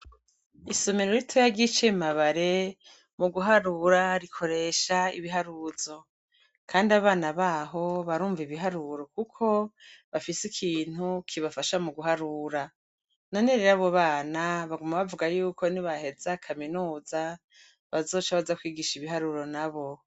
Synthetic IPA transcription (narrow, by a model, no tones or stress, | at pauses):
isomiɾoɾitʰojaɡit͡ʃemaβaɾe̞ | muɡuɦaɾuɾaɾikʰo̞ɾe̞ʃaḭβiɦaɾuzo̞ | kʰaːndiaβaːnaβaɦo̞βaɾuːɱviβiɦaɾuɾo̞kukʰo̞βafisikʰiːn̥hukʰiβafaʃamuɡuɦaɾuɾa | noneɾeɾaβo̞βaːnaβaɡumaβavuɡajuːkʰo̞niβahe̞zakʰaminuːza | βazo̞ːt͡ʃaβazakwiːɡiʃiβiɦaɾuɾo̞naβo̞